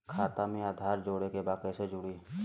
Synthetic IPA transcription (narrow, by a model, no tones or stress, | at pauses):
kʰaːt̪amẽaːd̪ʱaːɾd͡ʒoːɽekebaːkəsed͡ʒʊɽiː